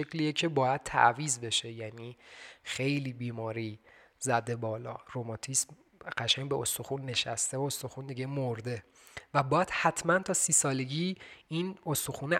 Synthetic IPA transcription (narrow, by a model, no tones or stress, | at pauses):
ecliːecʰe̞bɒːjæd̪̥̚t̪ʰæ̰ʔviːzbe̞ʃe̞jæniːxe̞jliːbiːmɒːɾiː | zæd̪e̞bɒːlɒ̰ːɾomɒt̪ʰism | ɢ̥æʃæŋbe̞ʔost̪o̞xunːe̞ʃæst̪eoost̪oxund̪iɟe̞moɾd̪e̞ | væbɒːjæd̪̥hæt̪ʰmænt̪ʰɒːsiːsɒːle̞ɟiːinost̪oxuːne